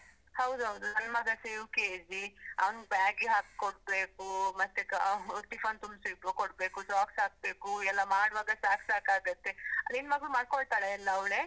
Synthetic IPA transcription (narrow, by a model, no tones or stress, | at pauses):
hɐwd̪uɦɐwd̪unɐnmɐɡɐseːʋkeːd͡ʒiɐ̰ʋɐnbaːɡiɦaːk̚koɽ̚beːkumɐst̪ekaut̪ipɐːnt̪umbsibukoɽbeːkusaːksɦaːk̚beːkuɛlːɐmaːɽʋaːɡɐsaːksaːkaːɡɐt̪ːeɐd̪inʋɐɡɭumaːɽ̚koɭt̪aːɽeɛlːɐːʋɭeː